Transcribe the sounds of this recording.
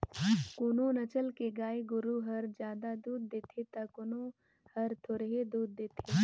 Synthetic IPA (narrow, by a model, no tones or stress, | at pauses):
kʊnõnɐt͡ʃəlkeɡaːeɡʊɾuɦɐɾd͡ʒjaːd̪ad̪uːd̪̚ːeːt̪ʰet̪akʊnõ | hɐɾt̪ʰoːɾəɦed̪uːd̪̚ːeːt̪ʰe